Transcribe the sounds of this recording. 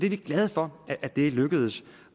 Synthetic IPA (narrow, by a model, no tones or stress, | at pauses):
d̥eʋiɡ̥lɛð̞ˠfɒ̽ʔæd̥e̝løɡ̥əð̞̩ˠəs